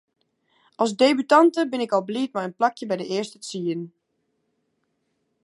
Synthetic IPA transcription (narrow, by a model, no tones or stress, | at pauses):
ʔɔlˠsdebytɑntəbɪnɪkɔlˠblit̚majənplakjəbɛjdəɪərstət͡siən